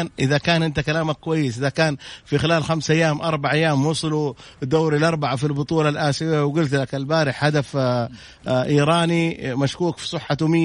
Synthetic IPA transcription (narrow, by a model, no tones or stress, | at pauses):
nʔɪðakaːnʔɪnt̪akalaːmakkʊwajːɪsʔɪðakaːnfixɪlaːlxamsʔajːaːmʔɑɾˤbaʕʔajːaːmwʊsˤlu | d̪oːɾilʔɑɾˤbaʕafilbʊt̪ˤuːlɑlʔaːsɪwawɡʊlt̪lakalbaːɾɪħhad̪af | ʔiːɾˤɑːnimaʃkuːkfi̥sˤɨħːat̪ʊmɪː